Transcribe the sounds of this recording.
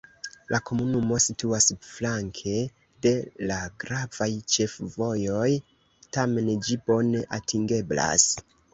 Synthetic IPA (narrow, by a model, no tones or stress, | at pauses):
lʔako̞munumo̞situasflaŋkʰe̞ | de̞laɡɾavajt͡ʃe̞fvo̞jo̞j | tame̞nd͡ʒibo̞ne̞ʔatʰiŋɡe̞bla̰s